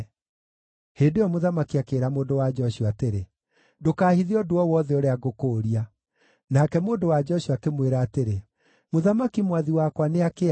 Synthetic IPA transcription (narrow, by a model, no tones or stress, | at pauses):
heːndeɔmoðamakiakeːɾamoːndowad͡ʒɔʃuateɾe | dokaːhiðiɔdoɔwɔðɛoɾeaɡokoːɾia | nakɛmoːndowad͡ʒɔʃiakemweɾaːteɾe | moðamakimwaðiwakwaneake